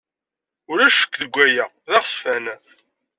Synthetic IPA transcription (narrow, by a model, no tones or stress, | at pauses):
ʊɾæʃə̥kːðəɡʷːæjæ | ðɑʁsfæn